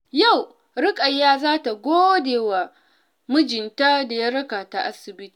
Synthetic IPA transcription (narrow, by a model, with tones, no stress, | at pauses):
ja˦˨w | ɾɪ˦kʼɐ˨jːaː˦zaː˦ta˨ɡʷoː˦deː˨wa˨ | mʊ˦d͡ʒɪ˨nta˦da˨ja˦ɾɐ˦ka˨ta˨ʔa˦sɪ˨bɪ˦ti˨